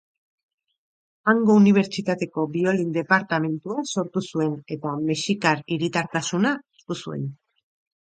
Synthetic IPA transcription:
aŋɡo̞uniβ̞e̞ɾt͡ʃit̪at̪e̞ko̞bio̞lind̪e̞paɾt̪ame̞nt̪uaso̞ɾt̪usue̞ne̞t̪amesikaɾiɾit̪aɾt̪asunaest̪usue̞n

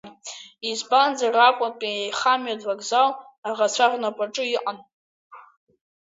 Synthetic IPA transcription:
izband͡zarakʷʼʊpʼiajχamɥadvaɡzal | aʁat͡sʷʰarnapʷʼaʈ͡ʂʼɨiqʼan

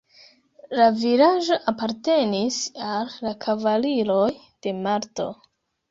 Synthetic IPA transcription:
laviɾaʒo̞ʔapaɾte̞nisalːakʰavaliɾo̞j | d̥e̞maɾto̞̰

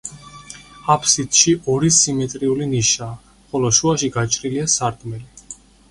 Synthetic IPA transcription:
apʰsit̪ʃiʔɔɾisimɛt̪ʼɾiuliniʃaː | χɔlɔʃuaʃiɡat͡ʃʼɾiliasaɾt̪ʰʼmɛli

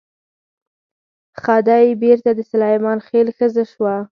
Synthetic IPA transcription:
xɑd̪ɑjebeɾt̪ad̪əsalɑjmɑnxelxəzaʃwa

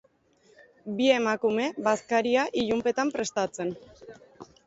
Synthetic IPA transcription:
bie̞makume̞βaskaɾiaʔiʎumpe̞t̪ampɾe̞st̪at͡se̞n

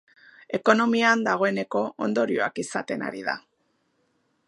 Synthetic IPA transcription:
e̞ko̞no̞miand̪aɣ̞o̞e̞ne̞ko̞ʔond̪o̞ɾio̞akisat̪e̞na̰ɾiða̰

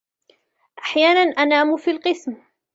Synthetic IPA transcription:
ʔaħjaːnanʔanaːmʊfiːlqɨsm

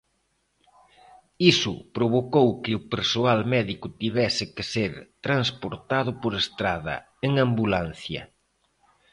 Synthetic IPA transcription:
isʊpɾoβ̞okowkɪʊpeɾsoalmɛðikʊt̪iβɛsɪkeseɾt̪ɾanspoɾt̪aðʊpoɾest̪ɾaðɐ̰ | eŋambulan̟θjɐ̰

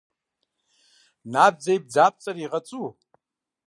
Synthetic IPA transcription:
nab̚d͡zejb̚d͡zap̚ʰʼt͡sʼariʁat͡sʼu

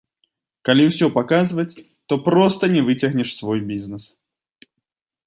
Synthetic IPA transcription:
kalʲiwsʲɔpakazvɐt͡sʲ | t̪ɔpɾɔst̪ɐnʲɛvɨt͡sʲɐɣnʲɛʂsvɔjbʲiznɛs

